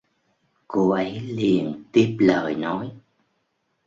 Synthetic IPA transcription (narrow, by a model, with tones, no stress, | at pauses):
ko˧ʔə˨˦jli˨˩ənt̪i˦˥əp̚ləː˧˨˩jnɔ˨˦j